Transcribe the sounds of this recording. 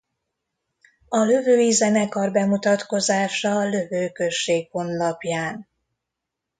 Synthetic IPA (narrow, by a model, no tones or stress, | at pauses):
ɒlø̞vøːizɛnɛkɒrbɛmut̪ɒt̪ko̞zaːʃɒlø̞vøːkøʃːeːkho̞nlɒpjaːn